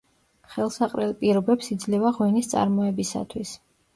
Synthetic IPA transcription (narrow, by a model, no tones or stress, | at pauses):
χɛlˠsaqʼɾɛlˠpʼiɾɔbɛpsid̪zlɛvaʁwɛnist̪sʼa̰ɾmɔɛbisa̰t̪ʰwis